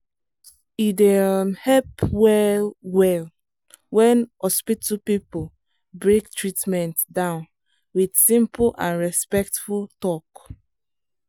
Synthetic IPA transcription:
idehɛpwɛwɛl | wɛ̃nhɔspitupip | bɹek̚tɹitmɛ̃ntdãʊn | widsĩmplʔãnɹɛspɛk̚tfultɔk

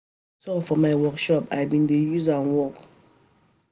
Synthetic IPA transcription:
sɔfɔmaɪwɔkʃɔpa̰ɪbĩndejuzanwɔk

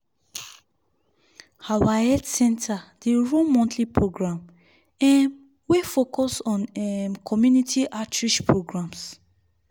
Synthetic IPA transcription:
hawaɛtsɛ̃ntʰad̥eɹomɔ̃ntʰlipʰɹoɡɹãm | ɛm | wefokɔsɔ̃nɛmkʰɔmjunitʰiʔatʰɹiʃpʰɹoɡɹãms

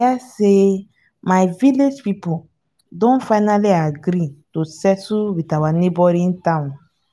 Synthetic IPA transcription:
ase | majviled͡ʒpipu | dɔ̃nfajnaliaɡɾĩtosɛsuwitawanebɔɾĩntãw̃n

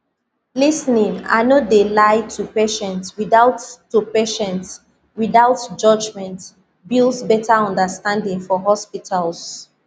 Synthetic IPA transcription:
lisnĩŋa̰nodelaɪtʰupeʃɛ̃ntswiðaʊtː | upeʃɛ̃nts | wiðaʊtd͡ʒʌd͡ʒmɛ̃nt | bilˠsbɛtʰaɔ̃ndəstãndĩŋfɔɦɔspitʰals

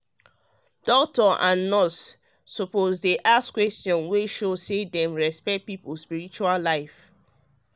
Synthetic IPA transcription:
d̥ɔktɔʔãnːɔsː | ɔpozdeʔaskwɛstjɔ̃nweʃosedɛ̃mɹɛspɛkt̚pipuspiɹit͡ʃualaɪf

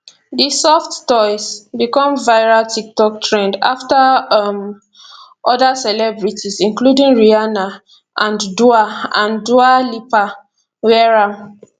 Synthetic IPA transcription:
disɔfttɔɪsbikɔ̃mvaɪɹaltʰik̚tɔk̚tʰɹɛ̃nda̰ftam | ʔɔdasɛlɛbɹitizĩnkludĩŋɹiana | ʔãnduaãndualipa | wɛɹam

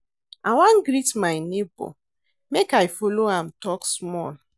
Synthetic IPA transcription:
awãnɡɾitmaɪnebo̰ | mekajfoloãmtɔksmɔl

